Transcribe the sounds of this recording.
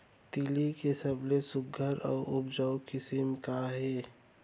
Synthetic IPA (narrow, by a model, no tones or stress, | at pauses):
t̪ilikesəblesʊɡʱəɾɔːɾʔʊbd͡ʒəwkɪsəmkaɦɛː